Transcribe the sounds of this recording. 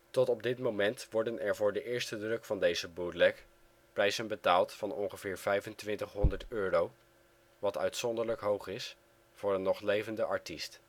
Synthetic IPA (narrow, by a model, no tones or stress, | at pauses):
tɔtɔb̚dɪtmomɛntʋɔɹdənɛɹvʊːɹdəʔɪːɹstədrɵkfɑndejzəbudlɛk | prɛjzənbətaːlˠtfɑnɔŋχəv̥ɪːɹv̥ɛjvəntʋɪntəχɦɔndəɹtøːrow | ʋɑtœ̰ɥtsɔndəɹləkɦowχɪs | fʊːɹənːɔχlejvəndəʔɑɹtist